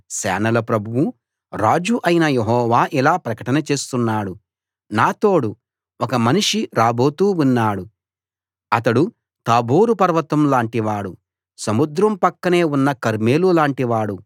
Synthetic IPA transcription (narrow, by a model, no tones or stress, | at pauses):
sɛ̰ːnɐlɐpɾɐbʱuwu | ɾaːd͡ʒuʔɐjinɐjeɦɔːʋaːʔilaːpɾɐkɐʈɐnɐt͡ʃe̞ːst̪unːaːɽu | naːt̪o̞ːɽu | ɔkɐmɐniʂiɾaːbo̞ːt̪uːunːaːɽu | ɐt̪ɐɽu | t̪aːboːɾupɐɾʋɐt̪ɐmlaːɳʈiʋaːɽu | sɐmud̪ɾɐmpɐkːɐne̞ːunːɐkɐɾme̞ːlulaːɳʈiʋaːɽu